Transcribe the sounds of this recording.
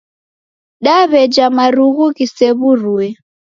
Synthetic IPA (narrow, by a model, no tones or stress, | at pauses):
ɗaβɛd͡ʒamaɾuɣukisɛβuruɛ